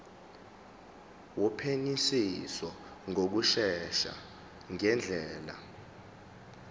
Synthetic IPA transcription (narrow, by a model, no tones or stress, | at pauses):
wɔpʰenisisɔ | ŋʱok̬uʃɛʃa̰ | ŋɛnd͡ɮʱɛːla̰